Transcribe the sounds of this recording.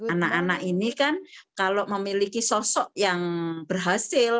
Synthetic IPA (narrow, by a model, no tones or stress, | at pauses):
anaʔanaʔinikankaloʔməmilikisɔsɔʔjaŋb̥ərɦasɪl